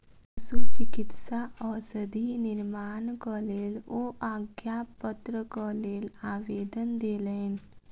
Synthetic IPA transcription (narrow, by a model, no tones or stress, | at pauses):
sut͡ʃɪkɪt̪saʔɔɾsəd̪ʱinɪɾmaːnkɔleːloʔaːɡjapət̪ɾəkɔleːlaːʋeːd̪ənd̪eːlən